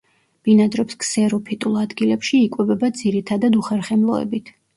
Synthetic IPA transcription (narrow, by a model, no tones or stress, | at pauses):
b̥inad̪ɾɔpskʼsɛɾɔpʰit̪ʼulˠad̪ɡilɛpʃiːkʼwɛvɛbad̪ziɾit̪ʰad̪ad̪uχɛɾχɛmlˠɔɛ̰bit̪ʰ